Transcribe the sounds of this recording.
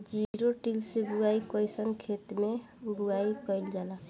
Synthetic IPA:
d͡ʒiɾoʈilsebuaikɔjsənkʰet̪me | buaikɔjld͡ʒala

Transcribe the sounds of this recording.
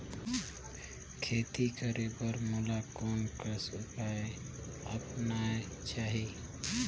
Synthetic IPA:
kʰet̪ikəɾepəɾmulakonkəsupae | əpnae | t͡ʃaːɦi

